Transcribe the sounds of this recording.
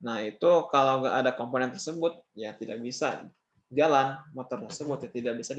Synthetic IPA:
nahit̪ukalawŋɡaʔadakomponɛnt̪ərsəbʊt̪̚jat̪idak̚bisa̰ | d͡ʒalanmot̪ɔrt̪ərsəbʊt̪̚jat̪idak̚bisad

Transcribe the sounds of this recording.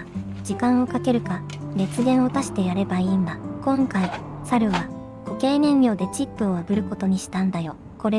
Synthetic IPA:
d͡ʑikãɰ̃o̞kake̞ɾɯ̟ka | ɾe̞t͡sɨɡẽ̞ɰ̃o̞t̪aɕi̥t̪e̞jaɾe̞baimakõ̞ŋkai | saɾɯ̟βa | ɡ̥oke̞ːnẽ̞mbʲjo̞ːd̪e̞t͡ɕipːɯ̟o̞abɯ̟ɾɯ̟ko̞t̪o̞ɲ̟iɕi̥t̪ãnd̪ajo̞ | ko̞ɾe

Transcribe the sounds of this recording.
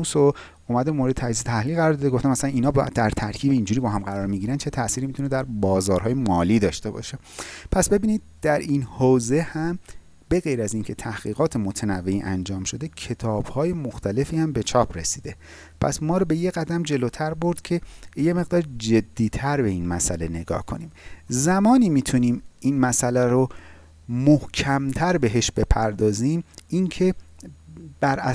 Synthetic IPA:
uːso | umæd̪eemoɾed̪et̪ʰæiset̪ʰæhliːɣæɾɒːɾd̪ɒːd̪eɡoft̪æmæsælæniːnɒːb̰d̪æɾt̪ʰæɾcʰiːbeiːnd͡ʒuːɾiːbɒːɦæmɢæɾɒːɾmiɟiːɾæn̥̚t͡ʃʰe̞t̪ʰæsiːɾimit̪ʰune̞d̪æɾbɒːzɒːɾɦɒːjemɒːliːd̪ɒːʃt̪e̞bɒ̰ːʃe̞ | pʰæsbe̞biːnid̪̚d̪̥æɾiːnhoːze̞hæm | be̞ɣe̞jɾæzincʰe̞t̪ʰæhɣ̥iːɣɒːt̪ʰemot̪ʰenævːeiːʔænd͡ʒɒːmʃo̞d̪ecʰe̞t̪ʰɒːb̥hɒːje̞moxt̪ʰæle̞fiːæmbe̞t͡ʃʰɒːpʰɾe̞siːd̪e̞ | pʰæ̰smɒːɾɔbe̞je̞ɣæd̪æmd͡ʒe̞loːt̪ʰæɾbo̞ɾd̪̥cʰe̞je̞me̞ɣ̚d̪ɒːɾd͡ʒe̞d̪ːiːt̪ʰæɾbe̞iːnmæsæ̰le̞ne̞ɡɒ̰ːhkʰo̞̰niːmzæmɒːniːmiːt̪ʰuniːmiːnmæsælæɾo | mohcʰæmt̪ʰæɾbe̞ɦe̞ʃbe̞pʰæɾd̪ɒːziːmʔincʰe̞ | b̥æɾæ

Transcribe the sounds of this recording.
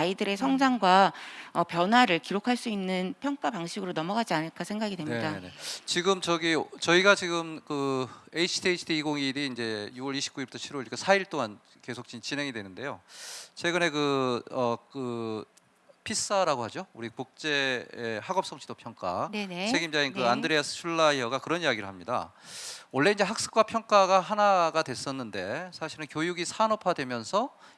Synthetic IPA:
aidɯɾe̞sʰʌŋd͡ʑaŋɡwaʌpjʌnɦwaɾɯɭkiɾokʰaɭs͈uinːɯnpʰjʌŋk͈apaŋɕʰiɡɯɾonʌmʌɡad͡ʑianɯɭk͈asʰe̞ŋɡaɡidwemnɲidanet͡ɕiɡɯmt͡ɕʌɡit͡ɕʌiɡat͡ɕiɡɯmkɯeit͡ɕʰi̥tʰiet͡ɕʰidʰiːɡoŋiɾiːnd͡ʑe̞juwʌɾiɕʰi̥p̚k͈uiɭbu̥tʰʌt͡ɕʰiɾwʌɭkɯsʰaiɭt͈oŋan | ke̞sʰok̚t͡ɕit͡ɕinɦe̞ŋidwe̞nɯnde̞jot͡ɕʰwe̞ɡɯne̞kɯʌkɯ | pʰis͈aɾaɡohad͡ʑouɾikuk̚t͡ɕ͈e̞ːhaɡʌp̚s͈ʌŋt͡ɕʰi̥dopʰjʌŋk͈a̰nt͡ɕʰe̞ɡimd͡ʑainkɯandɯɾeas͈ʰɯ̥t͡ɕʰuɭːaiʌɡakɯɾʌnijaɡiɾɯɭɦamɲida̰ | wʌɭːe̞ind͡ʑe̞ɦak̚s͈ɯ̥k͈wapʰjʌŋk͈aɡaɦanaɡadwe̞s͈ʌnːɯnde̞sʰaɕʰiɾɯnkjojuɡisʰanopʰadwe̞mjʌnsʰʌ

